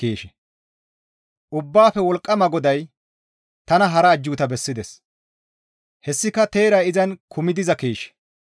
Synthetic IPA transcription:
keːʃɛ̥ | ʔʊbːaːfɛwɔlkʼːɐmɐɡɔd̪ɐj | t̪ɐnɐɦɐɾɐːd͡ʒːuːt̪ɐbɛsːɪd̪ɛs | hɛsːɪkɐt̪e̞ːɾɐɪzɐnkʰʊmɪd̪ɪzɐkeːʃɛ̥

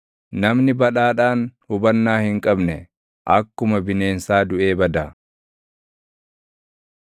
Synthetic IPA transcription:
nɐmnɪbɐᶑaːᶑaːnhʊbɐnːaːhɪŋkʼɐbnɛ | ʔɐkːʊmɐbɪne̞ːnsaːd̪ʊʔe̞ːbɐd̪a

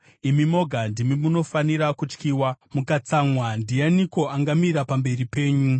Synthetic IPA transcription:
imimo̞ɡʱandimimuno̞faniɾakut͡ʃkiːwamukat͡samwandijaniko̞ʔaŋɡamiɾapambe̞ripe̞ːɲu

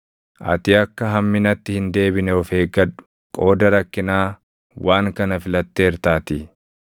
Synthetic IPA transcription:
ʔɐ̰t̪ɪɐkːɐɦɐmːɪnɐt̪ːɪhɪnd̪e̞ːbɪnɛɔfeːɡɐᶑʊ̥ | kʼo̞ːd̪ɐɾɐkːɪnaː | wʔaːŋkɐnɐfɪlɐt̪ːeːɾt̪aːt̪ɪ

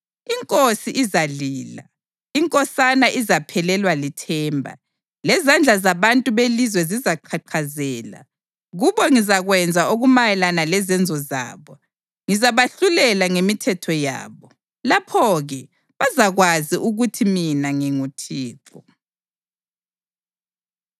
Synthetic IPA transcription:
iŋkʼosiʔːzaliːla̰ | iŋkʼɔsanaʔizapʰɛlɛlwalitʰɛːmbʱa̰ | lɛzand͡ɮʱazaβantʼuβelizwɛzizaǃʰaǃʰazɛːla̰ | ɣuβɔŋizaɣwɛnd͡zʱaʔoɣumajɛlanalɛzɛnd͡zʱɔza̰ːβɔ | ŋizaβaɬulɛlaŋemitʰɛtʰɔja̰ːβɔ | lapʰɔɣɛ | βazaɣwaziʔuɣutʰiminaŋiŋutʰiːǁʰɔ

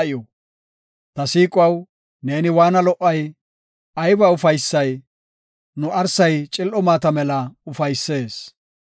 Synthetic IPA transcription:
ɪjɔ | t̪ɐsiːkʼwɐw | ne̞ːnɪwaːnɐlɔʔːɐj | ɐjbɐʊfɐjsːɐj | nʊʔɐɾsɐjt͡ʃʼɪlʔɔmaːt̪ɐmɛlɐʊfɐjsːe̞ːs

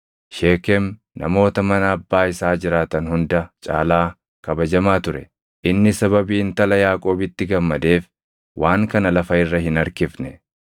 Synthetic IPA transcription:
ʃe̞ːkɛm | nʔɐ̰mo̞ːt̪ɐmɐnɐːbːaːɪsaːd͡ʒɪɾaːt̪ɐnhʊnd̪ɐt͡ʃʼa̰ːlaː | kɐbɐd͡ʒɐmaːt̪ʊɾɛ | ʔɪnːɪsɐβɐbiːnt̪ɐlɐjaːkʼo̞ːbɪt̪ːɪɡɐmːɐd̪e̞ːf | wʔaːŋkɐnɐlɐfɐɪrːɐɦɪnɐɾkɪfnɛ

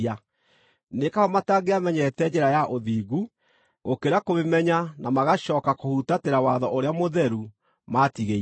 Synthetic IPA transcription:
a | nekahɔmataɣeamɛɲɛtɛd͡ʒɛɾajaʔoðiːɣu | ɣokeɾakoβemɛɲanamaɣaɕɔkakohutateɾawaðɔʔoɾeamoðɛɾu | matiɣe

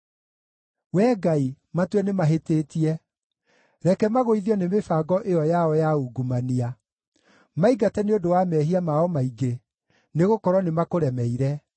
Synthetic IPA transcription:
wɛːɡai | matwɛnemaɦeteːtiɛ | ɾɛkɛmaɣoiðjɔnemefaɡɔʔeɔjaɔjauɡumania | maiɡatɛneodowamɛɦiamaɔmaiɡe | neɣokɔɾwɔnemakoɾɛmɛiɾɛ

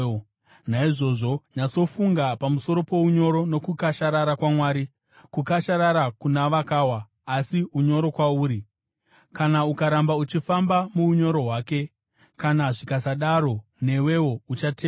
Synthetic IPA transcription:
naiʐo̞ʐo̞ɲaso̞fuŋɡapamuso̞ɾo̞po̞uɲo̞ɾo̞no̞kukaʃaɾaɾakwamwaːɾi | kukaʃaɾaɾakunaʋakaːwaː | siuɲo̞ɾo̞kwauːɾi | kanaukaɾambaut͡ʃifambamuuɲo̞ɾo̞ɦwaːke̞ | kanaʐikasaɗaɾo̞ne̞we̞wo̞ut͡ʃate

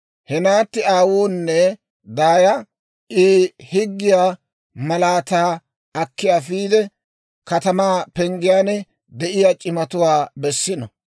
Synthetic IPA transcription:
hɛnaːt̪ːɪaːwuːnːɛ | d̪aːjɐ | ɪːhɪɡːɪjaː | mɐlaːt̪aː | ɐkːɪjaːfiːd̪ɛ | kɐt̪ɐmaːpɛŋɡɪjaːnɛ | d̪ɛʔɪjaːt͡ʃʼɪmɐt̪ʊwaːbɛsːɪnɔ

